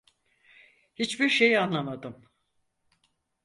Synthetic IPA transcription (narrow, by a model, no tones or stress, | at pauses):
hit͡ʃbiɾʃejanlˠamad̪ɯm